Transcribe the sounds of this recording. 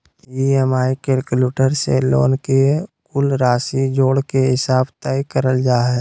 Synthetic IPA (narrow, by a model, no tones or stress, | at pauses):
iemaːikeɾkluːʈəɾselo̰ːnkekʊlɾaːsid͡ʒoːɽkeɦɪsaːbt̪ɛikəɾəld͡ʒaːɦɛː